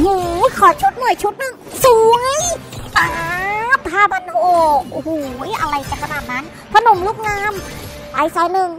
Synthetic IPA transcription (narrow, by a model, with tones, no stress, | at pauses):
ɲɯː˧˩kʰɔː˧˩t͡ɕʰu˧˦˥t̪̚mɔ˧˩jt͡ɕʰu˦˥t̪̚nɯ˧˩ŋsuː˨˩˦ŋa˧˥jaː˨˧˩p̪̚ʰaː˧˩ba˧noː˧˩˧huː˨˩˦jʔa˧ɾa˧˨jka˧˩kʰa˧naː˨˩t̪̚na˦˥n | pʰa˧˨no˨˩˦mluː˧˥k̚ŋaː˧˥˨m | ʔaː˨˩jsaː˨˦jnɯ˧ŋ